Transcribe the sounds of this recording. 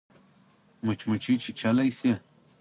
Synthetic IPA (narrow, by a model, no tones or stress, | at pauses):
mut͡ɕmut͡ɕʰit͡ɕʰit͡ɕʰɐlɐjse